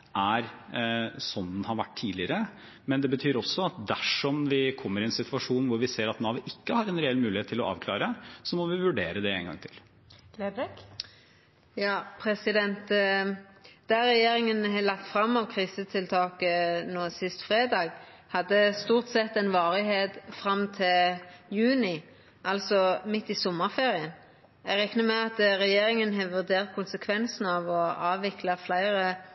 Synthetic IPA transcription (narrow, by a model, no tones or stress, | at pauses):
ʔæɾ | sɔnːənhɑɾʋæʈ̚ːt̪ʰːiːlɪəɾə | mɛnd̪ɛbət̪ʰyːɾɔsːɔɑt̪̚d̪æʂɔmʋɪkʰɔmːəɾɪɛnsɪt̪ʉɑʂuːnʋʊɾʋɪseːɾɑt̪nɑːʋɪʔɪkːəhɑɾɛnɾɛɛlmʉːlɪheːt̪ʰːɪlɔʔɑ̰ːʋkʰlɑ̰ːɾəsɔmɔʋɪʋʉɖeːɾəd̪ɛeːnɡɑ̰ŋt̪ʰɪl̥ | lebɛk | jɑːpʰɾɛsɪd̪ɛnt̪ | d̪̥æʁɛjeːɾɪŋənɦɛlɑk̚t̪fʁɑmːɑʋkʰʁiːsət̪ʰɪlt̪ʰɑːkənoːsɪst̪fʁeːd̪ɑːɡ | hɑd̪ːəst̪uːʁt̪sɛt̪ːɛnʋɑːʁɪɦeːt̪fɾɑmt̪ʰɪljʉːnɪ | ʔɑlsɔmɪt̪ːɪsɔmːəʁfeːʁɪən | æɡɾɛknəmɛɑt̪ɾɛjeːɾɪŋənɦɛʋʉʁd̪eːʁt̪̚kʰʊnsəkʰʋɛnsn̩ɑʋɔɑːʋʋɪklɑflæɪʁə